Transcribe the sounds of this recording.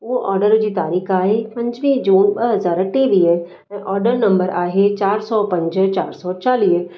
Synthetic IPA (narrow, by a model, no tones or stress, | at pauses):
ʋoʔɔːɾɖəɾd͡ʑiːt̪aːɾiːkʰaːɦepɐ̃ɲd͡ʒʋid͡ʒuːnɓɐɦɐzaːɾəʈeːʋi | ɛ̃ːʔɔːɾɖəɾnɐ̃mbəɾaːɦet͡ɕaːɾsɔpɐ̃ɲd͡ʒt͡ɕaːɾsɔːt͡ɕaːliː